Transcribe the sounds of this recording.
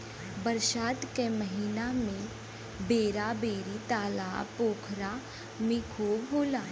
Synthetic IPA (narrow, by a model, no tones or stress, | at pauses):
bəɾʃaːt̪keməɦiːnamẽ | beːɾabeːɾit̪aːla̰poːkʰɾa | mɪkʰobʱuːla